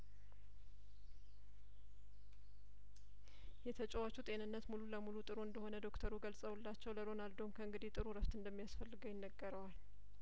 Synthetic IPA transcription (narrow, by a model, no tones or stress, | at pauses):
jɛt̪ʰət͡ʃʼɛwat͡ʃut̪ʼe̞nɨnːət̪mululəmulut̪ʼɨɾuɨnd̪əho̞nəd̪o̞kt̪ʰəɾuɡəlsʼəwulːat͡ʃːɛwləɾo̞nald̪əumkʰəɨŋɡɨd̪it̪ʼɨɾuɾəft̪ɨnd̪əmːijasfəlːɨɡəwjɪnːəɡːəɾəwal